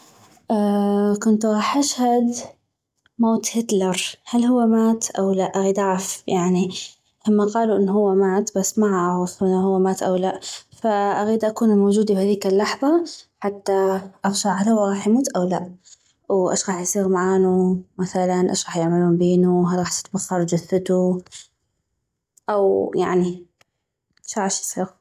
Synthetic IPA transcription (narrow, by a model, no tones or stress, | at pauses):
ʔakʊnt̪ɣˤɑːħʔaʃhad̪ | moːt̪hɪt̪lɑɾˤhalhʊwːamaːt̪ʔawlaʔʔaɣiːd̪ʕafjaʕni | ʔamːaqɑːluʔɪnːɦʊwːamaːt̪basːmaʕaɾʊfˤʔɪnːhʊwːamaːt̪ʔawlaʔfaʔaɣiːd̪ʔakuːnmoːd͡ʒuːd̪ibhaðiːkalːɑħðˤɑħat̪ːaʔɑɣʃaʕalawɣɑːħjmuːt̪ʔawlaʔ | wʔaʃɣɑːħjsˤiːɣmaʕaːnumaθalanʔaʃɣɑħjɪʕmaluːmbeːnuɦalɣɑːħt̪ɪ̥t̪baxːɑɾˤd͡ʒʊθːʊt̪u | ʔawjaʕni | ʃʕaːʃjsˤiːɣ